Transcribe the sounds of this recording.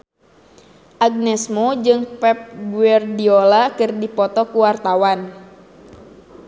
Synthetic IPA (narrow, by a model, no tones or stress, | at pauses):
ʔaɡ̚nɛsmod͡ʒɨŋpɛp̚ɡuɛrdiolakɨrdipɔt̪ɔkuwart̪awan